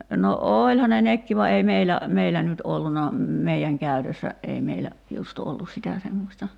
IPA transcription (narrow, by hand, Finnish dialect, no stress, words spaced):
no oːlʲhɑ ne nekːi ʋɑ ei meilæ meilæ nyt olːunɑ meiæŋ kæytøsːæ ei meilæ just olːus sitæ semːosʲtɑ